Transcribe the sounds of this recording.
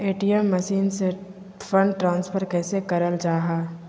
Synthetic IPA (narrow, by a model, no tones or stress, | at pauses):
eːʈijəmːəʃiːnse | fə̃ɳɖʈɾãːnspʰəɾkɛːsekɐɾəld͡ʒaːɦaː